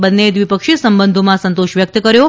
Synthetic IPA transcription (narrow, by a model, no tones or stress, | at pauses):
bənːed̪ʋipəkʃisəmbənd̪ʱomãsənt̪oʃʋjək̚t̪əkəɾjo